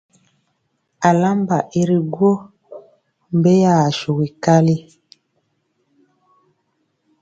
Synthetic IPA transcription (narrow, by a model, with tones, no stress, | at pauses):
a˨la˦mba˨ʔi˦ɾi˦ɡwo˦ | m̩˨be˦ja˨ʃu˨ɣi˨ka˦li˦